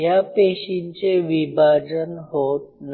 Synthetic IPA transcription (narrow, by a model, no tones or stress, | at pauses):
japeɕint͡seʋibʱad͡ʑənɦot̪̚n